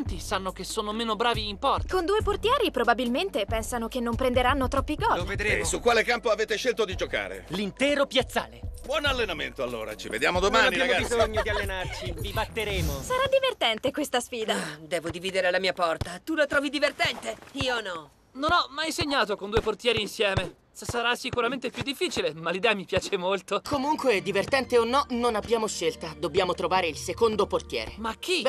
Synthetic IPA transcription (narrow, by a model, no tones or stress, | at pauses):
nt̪isanːokesoːnomeːnobɾaːviːmpɔrt̪kond̪uːeport̪jɛːɾipɾobabilment̪epɛnsanokenːompɾend̪eɾanːot̪ɾɔpːiɡɔloved̪ɾesukːwaːlekampoaveːt̪eʃelt̪od̪id͡ʒoka̰ːɾḛlint̪ɛːɾopjat̪sːa̰ːlebwɔnalːenamḛnt̪oalːo̰ːɾa̰t͡ʃḭvḛd̪jaːmod̪omaanibjamoabizoɲːod̪ialːenart͡ʃivibat̪ːeɾeːmosaɾad̪ivert̪ɛnt̪ekwest̪asfiːd̪ad̪ɛːvod̪iviːd̪eɾelamiːapɔrt̪at̪ulat̪ɾɔːvid̪ivert̪ɛnt̪eiːonɔ | nonɔmːajseɲːaːt̪okond̪ueport̪jɛːɾiːnsjɛːme | ssaɾasːikuɾament̪epjud̪ːifːiːt͡ʃilemalːid̪ɛːamipjaːt͡ʃemolt̪okʰomuŋkweɛd̪ːivert̪ɛnt̪eonːɔnonabjaːmoʃːelt̪ad̪obːjaːmot̪ɾovaːɾeilsekond̪oport̪jɛ̰ːɾemak̟ʰːi